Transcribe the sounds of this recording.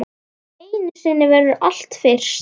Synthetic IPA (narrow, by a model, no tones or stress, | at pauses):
eːjnɪ̥sɪnːɪvɛɾðʏʔal̥t̪fɪr̥s